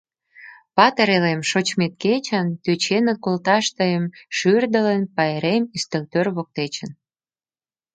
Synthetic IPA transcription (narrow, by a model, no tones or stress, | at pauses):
pɑt̪əɾelemʃot͡ɕmet̪̚ket͡ɕənt̪øt͡ɕenə̆t̪̚kolt̪ɑʃt̪əjəmʃyrd̪əlenpɑeɾemyst̪əlt̪ørβok̚t̪et͡ɕə̆n